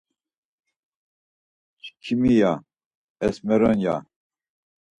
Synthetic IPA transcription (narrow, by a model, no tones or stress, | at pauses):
kʰimija | ɛsmɛɾənja̰